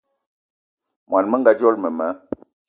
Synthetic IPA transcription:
mwa˨nmə˦ŋ˦ɡa˦d͡ʒɔ˦lmə˨mə˨˦

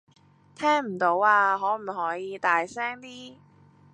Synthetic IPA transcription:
t̪ʰɛː˥ŋm̩˨˩t̪o˨˥waː˧ɦɔː˨˥m̩˨˩ɦɔː˨˥jiː˨˧t̪aː˨jsɛː˥ŋt̪iː˥

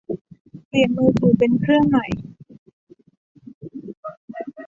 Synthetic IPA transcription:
pi˨˩ənmuː˧t̪ʰuː˨˩pe˧nkʰɾɯ˥˩əŋma˨˩j

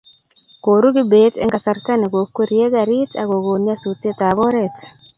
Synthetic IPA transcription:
ko˨ɾu˦ɡɪ˦be˨tɛ̰˦ŋɡa˨sa˦rta˦ne˨ɡo˨kːo˦ɾje˦ɡa˨ɾɪ˦ta̰˨ɡo˨ɡo˨nja˦su˨t̪e˦t̪abɔ˦ɾɛ˨t

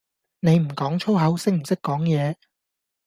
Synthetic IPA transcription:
ne˨˧jm̩˨˩kɔː˨˥ŋt͡ʃʰo˥wɦɐ˨˥wsɪ˥k̚m̩˨˩sɪ˥kːɔː˨˥ŋjɛː˨˧

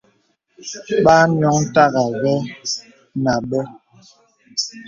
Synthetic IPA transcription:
ɓaː˦ɲ˨ɔ˨˦ŋ̩˦ta˦ɣa˨ɣɔ˦ | na˨ɓɛ˦

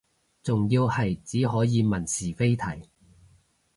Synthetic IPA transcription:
t͡sʊ˨ŋjiː˧whɐ˨jt͡siː˨˥ɦɔː˨˥jiː˨˧mɐ˨˩nsiː˨˩fe˥jt̪ʰɐ˨˩j

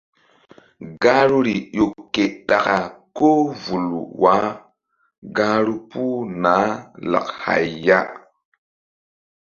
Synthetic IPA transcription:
ɡa˦ɾu˦ɾi˨jo˨kːe˨ɗa˨ka˨ko˦vu˨lṵ˨wa˨˦ | ɡa˦ɾu˦pu˦na˨˦la̰˨kha̰˨jːa˦

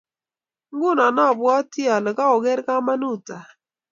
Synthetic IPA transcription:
ŋɡʊ˦˨nɔ˨nɔ˦˨bwɔ˦ti˦ɔ˨lɛ˨ka˦o˨ɡɛ˦ɾka˦ma˦nu˦˨ta˨

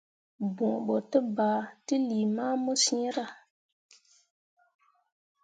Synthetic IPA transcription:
bũ˨ɓo˨tə˦ba˨ti˦li˨ma˦mo˦sĩ˦ɾa˦˨

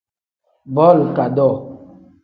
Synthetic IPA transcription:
bɔ˦˨lka˨dɔ˦˨

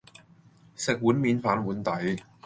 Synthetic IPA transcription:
sɪ˨k̚wuː˨˥nmiː˨˥nfaː˨˥nwuː˨˥nt̪ɐ˨˥j

